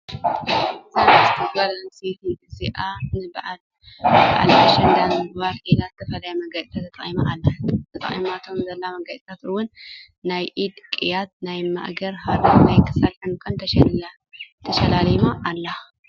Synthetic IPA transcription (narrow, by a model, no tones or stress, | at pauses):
ɨzamazɨt̪ʰɐɡbalanset̪ʰiɨziʔanɨbaʕal | b̰ʕa̰lʰɐʃɐnd̪amɨɡbaɾʔelazɨt̪ʰɐfɐlɐjamɐɡɐd̪t̪ʰɐt̪ʰɐt̪ʼɐʔʼimaʔalːat̪ʰɐt̪ʼɐ̰χʼḭmat̪ʰo̞mzɐlːamɐɡat͡sʼt̪ʰat̪ɨwʊnː | ajʔid̪kʼijad̪̚najma̰ʔɡɐɾhaɾɐnajkʰɨ̥salħɨmkʰʼɐnt̪ʰɐʃ | t̪ʰɐʃɐlalmaʔːlːa